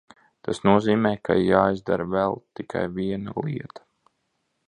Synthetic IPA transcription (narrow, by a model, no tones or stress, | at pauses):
t̪asnuɔziːmɛːkʰa̰jaːizd̪aɾvɛlˠt̪ikʰa̰jviɛnaliɛt̪ḁ